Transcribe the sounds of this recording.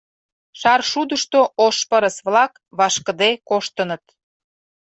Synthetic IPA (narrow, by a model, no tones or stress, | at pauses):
ʃɑrʃud̪əʃt̪oʔoʃpəɾəsβlɑk | βɑʃkəd̪ekoʃt̪ənət̪̚